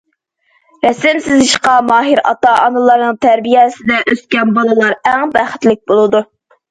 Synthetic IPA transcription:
ɾɛsɪmsɪziʃqɑmɑːɦiɾɑ̰t̪ɑɑnɨlˠɑɾnɨŋt̪ʰæɾbijɛsɪd̪ɛʔøskʲɛnbɑlˠɨlˠɑɾæŋbæχɪ̥t̪lɪk̚ʲbolˠɨd̪u

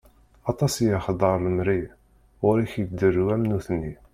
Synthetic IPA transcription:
ɑt̪ˤɑsjaχd̪ˤɑɾˤləmɾi | ʁʊɾiçəd̪ərːwæmnuθnːi

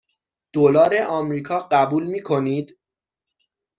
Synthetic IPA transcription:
d̪̥olɒːɾeʔɒːmɾiːkʰɒːɢæbuːlmiːkʰo̞niːd̪

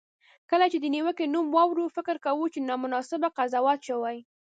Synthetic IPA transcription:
kəlat͡ʃed̪əniwəkenumwɑwɾufɪkɾkawut͡ʃenɑmʊnɑsɪbaqazɑwɑt̪ʃəwaj

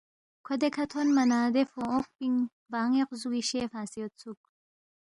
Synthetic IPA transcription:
kʰod̪ekʰat̪ʰonmanaːd̪efooq̚biŋ | vaːŋeqzuɡiʃefaːsiot̪t͡sʰuk

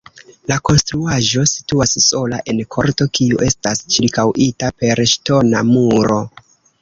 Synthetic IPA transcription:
lako̞nstɾuaʒo̞si̥tuasso̞laʔe̞nkʰo̞ɾto̞kʰiuʔe̞stast͡ʃiɾkawʔitape̞ɾʃto̞namuɾo̞

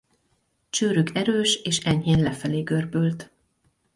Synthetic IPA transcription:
t͡ʃøːɾykɛɾøːʃeːʃɛɲheːnlɛfɛleːɡørbølt̪

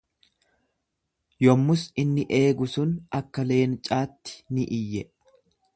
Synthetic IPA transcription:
jɔmːʊsɪnːɪʔe̞ːɡʊsʊnɐkːɐle̞ːnt͡ʃʼaːt̪ːɪ̥nɪʔɪjːɛ

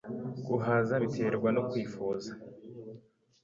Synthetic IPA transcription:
ɡ̥uɦazaβitʰe̞ɾɡwanokwiːfuza

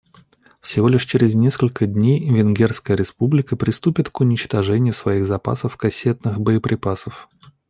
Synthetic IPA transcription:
fsʲɪvo̞lʲɪʂt͡ɕɪɾʲɪznʲeskəlʲkəd̪ʲnʲejvʲɪnɡʲerskəjəɾʲɪspublʲɪkəpɾʲɪst̪upʲɪt̪kʊnʲɪt͡ɕt̪ɐʐɛnʲɪjʊsvɐiɣzɐpa̰səfkɐsʲe̞t̪nɨxbəəpɾʲɪpasəf

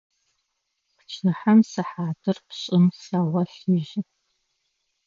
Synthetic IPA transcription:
pt͡ʃʰɨħamsɨħaːdɨrpɕʼɪmsawɐɬiʒɪ

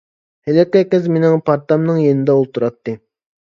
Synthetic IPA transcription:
helɪkʲɛkʲɛzmenɪŋpʰɑɾt̪ɑmnɨŋjenɪd̪ɛolˠt̪uɾɑt̪ʰːɨ

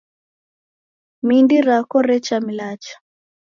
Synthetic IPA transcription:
mindiɾakɔɾɛt͡ʃamilat͡ʃḁ

